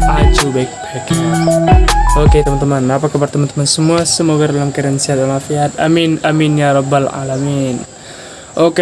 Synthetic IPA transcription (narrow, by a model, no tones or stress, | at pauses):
ʔad͡ʒubaik̚baka | oket̪əmant̪əmanapakabart̪əmant̪əmansəmuasəmoɡardalamkaɾansiɦat̪alnafiat̪a̰minaminjaɾɔbːala̰lamin | ʔoke